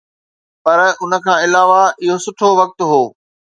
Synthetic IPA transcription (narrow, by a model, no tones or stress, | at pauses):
pɐɾʊnə̆kʰãːɪlaːʋaɪɦosʊʈʰoʋɐk̚t̪ɦoː